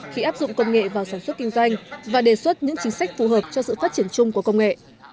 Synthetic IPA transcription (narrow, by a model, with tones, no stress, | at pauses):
xi˧ʔaː˦˥p̚zʊ̰˧˨ŋ͡mkə˧wŋ͡mŋḛ˧˨vaː˨˩wsaː˧˩nswə˦˥t̚kï˧ŋzwa˧jŋ̟vaː˨˩ɗe˧˩swə˦˥t̚ɲɨ̰˧˥ŋt͡ɕï˨˦ŋ̟sa˦˥jk̟̚fu˨˩ɦəː˨˩p̚t͡ɕɔ˧sɨ̰˧˨faː˦˥t̚t͡ɕi˧˩ənt͡ɕʊ˧ŋ͡mku˧˩əkə˧wŋ͡mŋḛ˧˨ʔ